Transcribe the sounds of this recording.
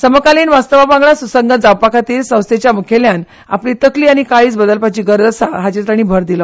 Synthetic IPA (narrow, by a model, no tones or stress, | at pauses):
səməkaliːnʋast̪əʋapãŋɡɭasusəŋɡəd͡zawpakat̪iːlsə̃w̃st̪ʰet͡ɕjamukʰeljan | a̰pliːt̪əkliːaɽ̃ikaɭiːt͡sbəd̪əlpat͡ɕiːɡəɾd̪əsaɦat͡ɕet̪ɾaɽ̃iːbʱəɾd̪ilə